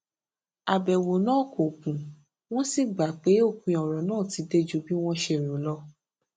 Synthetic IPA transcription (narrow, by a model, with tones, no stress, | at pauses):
a˨bɛ˨wo˨nãː˦˨ko˨kũ˨ | w̃ɔ̃˦si˦˨ɡ͡ba˨˦k͡pe˨˦o˦˨kũ˧˦˨ɔ̃˨ɾɔ̃˨nãː˦˨ti˧˦de˦d͡ʒu˦bi˦w̃ɔ̃˦ʃe˧˨ɾo˨˦lɔ˦